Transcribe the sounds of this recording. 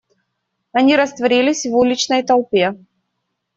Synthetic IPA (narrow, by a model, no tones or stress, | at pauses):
ɐnʲiɾɐst̪vɐɾʲilʲɪsʲvulʲɪt͡ɕnəjt̪ɐlˠpʲe